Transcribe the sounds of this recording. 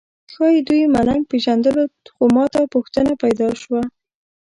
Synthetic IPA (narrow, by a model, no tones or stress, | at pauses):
xɑjd̪ujmanaŋɡ̚peʒand̪əloxomɑt̪apuxt̪ənapajd̪ɑʃwa